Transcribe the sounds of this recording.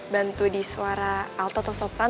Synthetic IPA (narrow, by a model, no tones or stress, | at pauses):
bant̪udisuaɾaːlt̪ɔt̪ɔsɔpa